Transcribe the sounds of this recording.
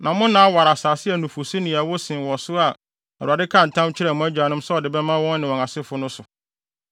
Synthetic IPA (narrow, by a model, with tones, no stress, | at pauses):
nã˨mʊ̃˦nãː˨˦wa˨ɾa˨saː˨sɪ˦æ˨nũ˨fʊ˨si˦nɪ̃˨a˨wɔ˦sɪ̃˨wɔ˨sʊ˦a˨ | a˨ɾa˨dɪ˦kʰã˦˨n̩˨tʰã˦mt͡ɕʰɪ˦ɾɛ˨mʊ̃˦æ˦d͡ʑᶣa˨nʊ̃˦msɛ˦ɔ˨dɪ˨bɛ˦mã˦wɔ̃˦nːɪ̃˨wɔ̃˨ã˨sɪ˦fʊ˨˦nʊ̃˦sʊ˨